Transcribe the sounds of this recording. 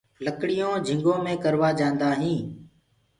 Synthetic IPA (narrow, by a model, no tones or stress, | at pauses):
ləkɽɪijõːd͡ʒʱɪ̃ŋɡõːmẽːkəɾʋaːd͡ʒãːnd̪aːɦĩː